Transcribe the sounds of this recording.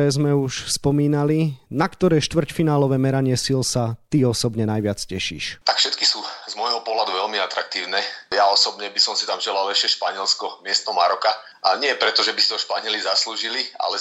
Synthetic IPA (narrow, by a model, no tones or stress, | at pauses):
ɛːzmɛuʃspɔmiːnalinakt̪ɔɾɛːʃt̪ʋr̩cfinaːlɔʋɛːmɛɾaɲɪɛsilsat̪iɔsɔbɲɛnajʋɪat͡scɛʃḭːʃt̪akfʃɛt̪kisuːzmɔjɦɔpɔɦlad̪uʋɛlmiat̪ɾak̚t̪iːʊnɛjaɔsɔbɲɛbisɔmsi̥t̪amʒɛlalɛʃɪɛʃpaɲɪɛlskɔmɪɛst̪nɔmaɾɔka | aɲɪɛpɾɛt̪ɔʒɛbisiɦɔʃpaɲɪɛlizasluːʒilia̰lɛ